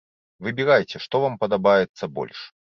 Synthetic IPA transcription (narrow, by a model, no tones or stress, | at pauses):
vɨbʲiɾajt͡sʲɛʂt̪ɔvampɐd̪abajɛt̪sːɐbɔ̰lʲʂ